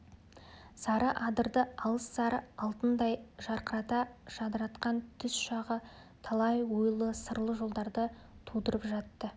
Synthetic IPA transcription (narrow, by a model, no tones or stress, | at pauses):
sɑɾəʔɑd̪əɾd̪əɑlˠəsːɑɾəɑlˠt̪ənd̪ɑjʒɑɾqʰəɾɑt̪ɑʒ̥ɑd̪əɾɑt̪qɑnt̪ʰʏsʃɑʁə | t̪ʰɑlˠɑjwojlˠəsəɾlˠəʒo̞lˠd̪ɑɾd̪ə | t̪ʰud̪əɾəpʒɑt̪ːə